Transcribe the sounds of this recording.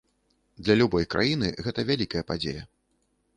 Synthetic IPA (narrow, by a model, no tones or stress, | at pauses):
d̪lʲɐlʲubɔjkɾʔa̰jinɨɣɛt̪ɐvʲalʲikɐjɐpad͡zʲejɐ